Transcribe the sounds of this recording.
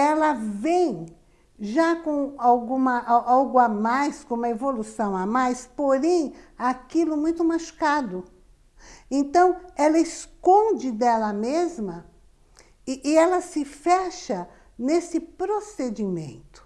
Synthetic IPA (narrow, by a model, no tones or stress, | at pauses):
ɛlɐvẽj̃ | ʒakõawɡũmɐʔaʔawɡʊamajskõũmɐevolusɐ̃w̃amajspoɾẽj̃ | akilʊmũj̃t̪ʊmaʃu̥kad̪ʊ | ẽnt̪ɐ̃w̃ɛlɐɪskõnd͡ʒɪd̪ɛlɐmezmɐ | ʔːɛlɐsɪfɛʃɐ | nesɪpɾosed͡ʒimḛ̃nt̪ʊ̥